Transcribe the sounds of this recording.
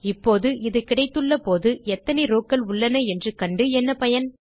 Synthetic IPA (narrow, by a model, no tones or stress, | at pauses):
ɪpːoːðɯʔɪðɐkːɪɽɐɪt̪ːɯɭːɐpoːðɯɛt̪ːɐnɛɾoːkːɐlʊɭːɐnɐɛndrɯkɐɳɖɯɛnːɐpɐjɐn